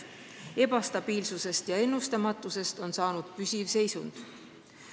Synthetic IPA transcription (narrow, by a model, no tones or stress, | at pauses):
e̞b̥ɑst̪ɑb̥iːlsuse̞st̪jɑe̞nːust̪ɑmɑt̪ːˑuse̞st̪o̞nsɑːnud̪̥pysʲivse̞jsund̪̥